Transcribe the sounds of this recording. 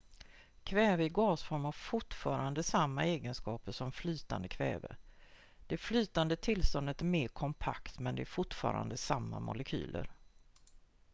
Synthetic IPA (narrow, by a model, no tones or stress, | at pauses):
kʰvɛːvəɪɡɑːsfɔɾmavfʊʈfɑːɾand̪əsamːaeːɡənskɑːpəʂɔmflyːt̪and̪əkʰvɛ̰ːvə̰ | d̪̥ɛflyːt̪and̪ət̪ʰːɪlst̪ɔnd̪ət̪æɾmeːɾkʰɔmpʰa̰kt̪mɛnd̪ɛæɾfʊʈfɑ̰ːɾa̰nd̪əsamːa̰mʊ̰lɛkʰy̰ːlʔə̰ɾ